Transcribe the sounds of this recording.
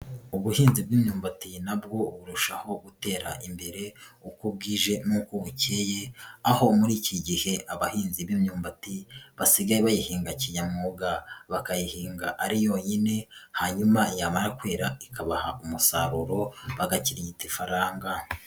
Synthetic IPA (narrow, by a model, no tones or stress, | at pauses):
uβuhiːnzib̚ɡiːmɲuːmbatinabɡo̞βuɾuʃaho̞ɡute̞ːɾa̰ʔimbe̞ɾe̞ukub̚ɡiʒe̞mukuɡuce̞jeaho̞muɾiːciɟihe̞ʔaβahiːnziβimɲuːmbatiβasiɡajeβajihiːŋɡaciɲamŋoɡaβakajihiːŋɡa̰ʔaɾijo̞ɲine̞haːɲumajaːmaɾakweːɾaikaβahaumusa̰ɾuɾo̞βaɡaciɾiɟitifaɾaːŋɡa